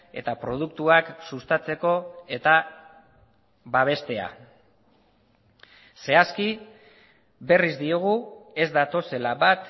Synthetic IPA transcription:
e̞̰t̪apɾo̞ð̞ukt̪uaksust̪at͡se̞ko̞e̞t̪a | βaβ̞e̞st̪e̞a̰ | se̞aski | be̞rizd̪ioɣ̞ue̞zd̪at̪o̞se̞laβat̪

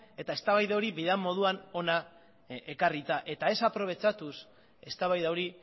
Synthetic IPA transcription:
e̞t̪ae̞st̪aβajðawɾiβiðeamːo̞ð̞uano̞na | e̞karit̪aʔe̞t̪ae̞sapɾo̞β̞e̞t͡ʃat̪us | e̞st̪aβajðawɾi

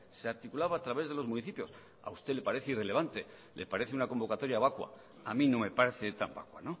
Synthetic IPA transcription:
seaɾt̪ikulaβaːt̪ɾaβe̞zðe̞lo̞zmuniθipjo̞s | a̰ust̪e̞le̞paɾe̞θeire̞leβant̪e̞ | lʔe̞̰paɾe̞θeunako̞mbo̞kat̪o̞ɾjaβakwa̰ | amĩno̞me̞paɾeθe̞t̪a̰mba̰kwa̰no̞

